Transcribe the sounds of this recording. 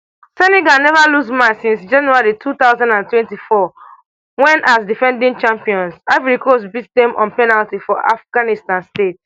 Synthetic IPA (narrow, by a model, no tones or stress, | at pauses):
sɛnɛɡanɛvalusmãt͡ʃsĩnsd͡ʒɛ̃nuaɹitʰut̪aʊzãndãntwɛ̃ntifɔ | wɛ̃nʔasdifɛ̃ndĩŋt͡ʃãmpiɔ̃nsavɛɹikʰos̬bitdɛ̃mʔɔ̰̃npɛnaltifɔʔa̰fɡ̥anistãnstet